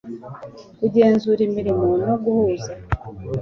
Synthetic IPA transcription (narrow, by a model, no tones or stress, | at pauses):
uɟe̞ːnzuɾimiɾimonoɡuhuːza